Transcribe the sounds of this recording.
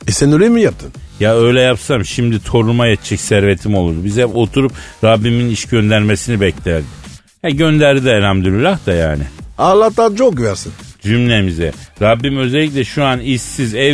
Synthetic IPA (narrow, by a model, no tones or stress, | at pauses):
esɛnølemijap̚t̪ʰɯnjaø̞jlʲɛjapsamʃimd̪it̪ʰo̞ɾumajɛt̪ʰt͡ʃʰɛcsæɾve̞t̪ʰimo̞lˠuɾd̪ubizɛpo̞t̪ʰuɾup | ɾabːiminiʃɟø̞nd̪æɾme̞sinibɛclʲæɾd̪i | hɛɟø̞nd̪æɾd̪id̪ɛːlʲamd̪yɾylʲaxt̪aja̰ːnɪ̰alˠːat̪ːat͡ʃʰok̚ɟyvæɾsind͡ʒymlʲemizɛɾabːimø̞zelʲːic̬lʲɛʃuanisːizɛ